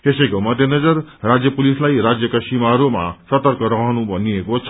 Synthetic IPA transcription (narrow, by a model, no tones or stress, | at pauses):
t̪esʌjkomʌd̪ʱjenʌd͡zʌrrad͡zjʌpulislajɾad͡zjʌkasimaɾoma̰sʌt̪ʌɾkʌɾʌɦnubʱʌniekot͡sʰ